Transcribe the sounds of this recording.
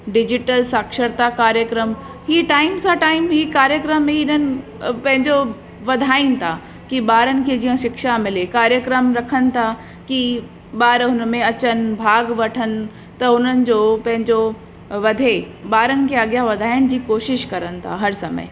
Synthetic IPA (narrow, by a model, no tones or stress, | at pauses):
ɖɪd͡ʑɪʈəlsaːkʃəɾt̪akaːɾjəkɾəm | ɦiːʈaːɪmsaʈaːɪmɦiːkaːɾjəkɾəmːiɪnənɪ̆ | pɐ̃ɦɪ̃ɲd͡ʑo | ʋɐd̪ʱaːinɪ̆t̪ʰa | kiɓaːɾənɪ̆kʰed͡ʑiɦə̃ʃɪkʃamɪlekaːɾjəkɾəmɾɐkʰənɪ̆t̪ʰa | ki | baːɾɦʊnmẽɐt͡ɕənbʱaːɡʋɐʈʰən | t̪ɐʊnənɪ̆d͡ʑoːpɐ̃ɦɪ̃ɲd͡ʑo | ʋɐd̪ʱe | baːɾənɪ̆kʰeaɡjaʋɐd̪ʱaːjɪəɽ̃d͡ʑiːkoːʃɪʃkɐɾənɪ̆t̪ʰa̰ɦɐɾsɐmə̰ɪ